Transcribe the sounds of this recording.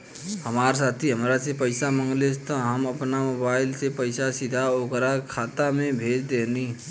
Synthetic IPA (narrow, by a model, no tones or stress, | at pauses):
həmaːɾsaːt̪ʰiɦəmɾasepəɪsamə̃ŋɡlest̪ə̃ɦəməpnamoːbaːɪlsepəɪsasɪd̪ʱaokɾakʰaːt̪amẽbʱeːd͡ʒd̪eːni